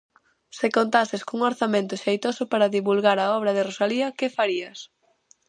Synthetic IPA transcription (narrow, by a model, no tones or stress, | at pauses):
sɪkont̪asɪskouŋoɾθamẽnt̪ʊʃejt̪osʊpaɾɐðiβulɣaɾaɔβ̞ɾɐðɪrosaliɐkɪfaɾiɐs